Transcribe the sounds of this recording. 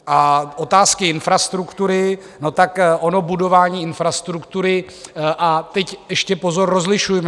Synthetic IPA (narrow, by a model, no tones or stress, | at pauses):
ʔaʔo̞t̪aːskɪɪnfɾast̪ɾukt̪uɾɪ | no̞t̪akʔono̞budo̞vaːɲiːɪnfɾast̪ɾukt̪uɾɪ | ʔat̪ɛcɛʃcɛpo̞zo̞rːo̞zlɪʃujm